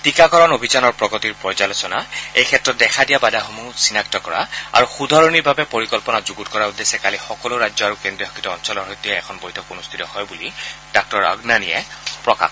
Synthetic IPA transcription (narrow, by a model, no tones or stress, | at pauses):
tikakɔɹɔnobʱizanɔɹpɹɔɡɔtiɹpɹɔjzalosɔnaejkʰɛtɹɔt̚dɛxʰadijabadaxɔmusinaktɔkɔɹa̰a̰ɹuxudʱaɹonibʱabɛpoɹikɔlpɔnazuɡutkɔɹaud̪ːesɛkalixɔkɔlʊɹad͡ʒzjɔaɹukendɹiɔɦɔkʰitɔɔnsɔlɔɹɦojtːiɛɛkʰɔnbojtʰɔkunust̪ʰitɔhɔjbulidak̚tɔɹa̰ɡnanijɛ̰pɹɔka̰x